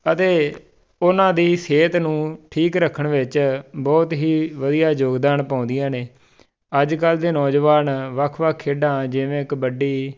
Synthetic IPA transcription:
ət̪eː | ʊnãːd̪iːseːt̪nũːʈʰiːkɾəkʰːəɳʋɪt͡ʃbɔːt̪ɦiːʋəd̪ijaːd͡ʒoːɡd̪aːnpãːʊ̃nd̪ijãːneː | əd͡ʒkəld̪eːnɔːd͡ʒʋaːnʋəkʰʋəkʰːeːɖãːd͡ʒɪʋẽːɪkbəɖiː

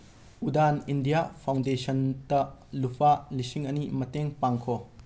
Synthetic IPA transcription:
udanindijapʰawndesɐntɐlupʰalisiŋʔɐnimɐteŋpaŋkʰɔ

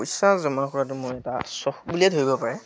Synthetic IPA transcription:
usãzɔmakɔɹatʊmʊɹɛta̰sɔxbuliɛtɦojbɔpaɹɛ

